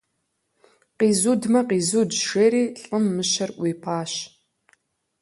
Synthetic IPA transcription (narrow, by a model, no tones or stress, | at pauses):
qiːzuːdmɐqiːzudʃeːɾiːɬʼɨmːɨʃɐrʔʷiːpʰaːɕ